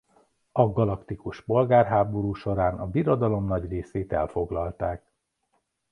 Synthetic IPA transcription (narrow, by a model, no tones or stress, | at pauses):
ɒɡɒlɒkt̪ikuʃpo̞lɡaːrɦaːbo̞ɾuːʃo̞ɾaːnɒbiɾod̪ɒlo̞mnɒɟreːseːt̪ɛ̰lfo̞ɡlɒlt̪aːk